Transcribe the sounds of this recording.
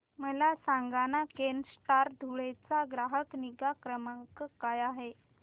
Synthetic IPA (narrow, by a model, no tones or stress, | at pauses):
məlasaŋɡanakensʈaɾd̪ʱuɭet͡saɡɾaɦəkniɡakɾəməkkajaɦe